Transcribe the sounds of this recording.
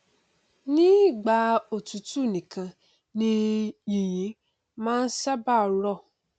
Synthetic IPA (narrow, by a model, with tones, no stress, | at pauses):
nĩ˦˨ɡ͡ba˧o˨tu˨tu˦˨nĩ˨kʰã˧ | nĩ˦jĩ˨j̃ĩ˨˦ | mãː˦n̩˦sɛ˦ba˦˨˧ɾɔ˦˨